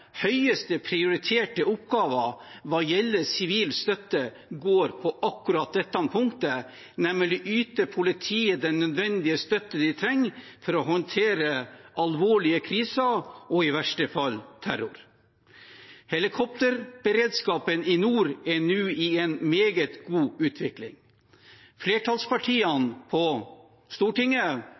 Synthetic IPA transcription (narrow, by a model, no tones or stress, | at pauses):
hœʏəst̪əpʰɾɪʊɾɪt̪ʰeːʈəʊpɡɑːʋɑʋɑjɛlːəsɪʋiːlst̪œt̪ːə | ɡoːɾpʰɔʔɑkːʉɾɑːt̪̚d̪ɛt̪ːɑnpʰʊŋkt̪ə | nɛmːəlɪʔyːt̪əpʰʊlɪt̪ʰiːəd̪ɛnːœd̪ʋɛnd̪ɪəst̪œt̪ːəd̪ɪt̪ʰɾɛŋːfɔɾɔɦɔnt̪ʰeːɾəʔɑlʋoːɭɪəkʰɾiːsɑɔɪʋæʂʈəfɑlːt̪ʰæɾʊɾ | hɛlɪkʰɔp̚t̪əɾb̥əɾeːd̪skɑːpənɪnuːɾɛnʉːɪɛnmeːɡət̪ɡ̥uːʉːt̪ʰʋɪklɪ̰ŋ | fleːʈʰɑːlspʰɑʈʰiːɑnpʰɔ | st̪uːʈɪŋːə